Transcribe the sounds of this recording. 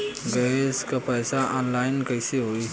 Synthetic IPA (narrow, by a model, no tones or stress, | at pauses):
ɡəskapəjsaʔɔnlajnkəjseɦoj